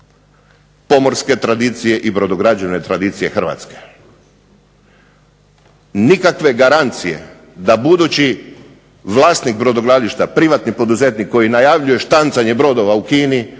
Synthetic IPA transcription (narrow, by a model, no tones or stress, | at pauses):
po̞mo̞ɾske̞t̪ɾad̪it̪sije̞ʔibɾo̞d̪oɡɾad͡ʑeʋne̞t̪ɾad̪iːt̪sije̞xr̩ʋa̰t̪ske̞̥ | nikakʋe̞ɡaɾant̪sije̞̰ | d̪abud̪ut͡ɕi | ʋlˠaːst̪nik̚bɾo̞d̪oɡɾaliʃt̪apɾiʋat̪nipo̞d̪uze̞t̪nikːo̞jinajaʋʎuje̞ʃt̪ant̪saɲe̞bɾo̞d̪o̞ʋaukiːni